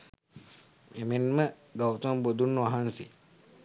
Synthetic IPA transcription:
emenmə | ɡawt̪ɐmbod̪unːuʋaɦansi

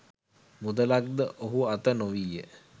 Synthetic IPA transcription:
mud̪əlak̚d̪əʔoɦuat̪ənoʋijə

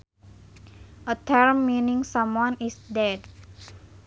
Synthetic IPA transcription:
ʔət̪ʰəɹmːinĩŋsãmwɔ̃nisdɛd

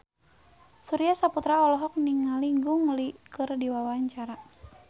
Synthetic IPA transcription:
suɾiasaput̪ɾaɔlɔɦɔk̚niŋaliŋɡuŋlikɨrdiwawaɲt͡ʃaɾa

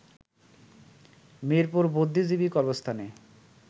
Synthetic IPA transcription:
meɾpoɾbod̪ʱːid͡ʑibikɔɾbost̪ʰane

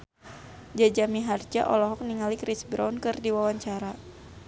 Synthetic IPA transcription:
d͡ʒad͡ʒamiɦard͡ʒa̰ʔɔlɔɦɔk̚niŋalikɾisbɾaunkɨrdiwawaɲt͡ʃaɾa

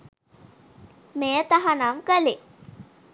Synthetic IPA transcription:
mejət̪aɦanamkəle

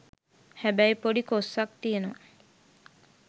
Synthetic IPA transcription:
hæbæjpoɖikosːak̚t̪ijeno

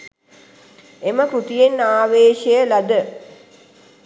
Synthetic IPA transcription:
eməkut̪ijenaːʋeːʃejəlad̪ə

